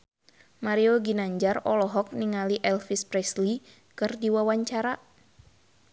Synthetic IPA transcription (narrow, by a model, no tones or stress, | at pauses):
maɾioɡinaɲd͡ʒarɔlɔɦɔk̚niŋaliʔɛlfispɾɛsli | kɨrdiwawaɲt͡ʃaɾa